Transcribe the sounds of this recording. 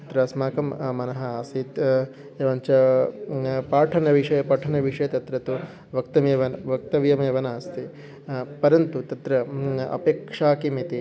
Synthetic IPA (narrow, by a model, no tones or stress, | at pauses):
ɐt̪ɾɐsmaːkɐmːɐnɐɦɐaːsiːt̪ | ɐʋɐɲt͡ʃɐ | paːʈʰɐnɐʋiʂɐjɐpɐʈʰɐnɐʋiʂɐjɐt̪ɐt̪ɾɐt̪u | ʋɐk̚t̪ɐmʋɐnʋɐk̚t̪ɐʋjɐmɐɐʋɐnaːst̪i | pɐɾɐnt̪ut̪ɐt̪ɾɐɐ̰peːkʂaːkimit̪i